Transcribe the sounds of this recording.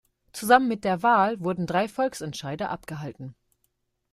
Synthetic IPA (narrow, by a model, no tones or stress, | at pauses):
t͡suzamənmɪt̚d̥eːɐvaːlvʊɐdn̩dʁaɪfɔlksɛntʃaɪdɐʔapɡ̥əɦaltn̩